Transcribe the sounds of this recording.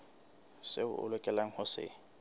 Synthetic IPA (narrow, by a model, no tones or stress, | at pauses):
sɪʊʔʊ̰lɛkʼɛlaŋ̩hʊsɪ̰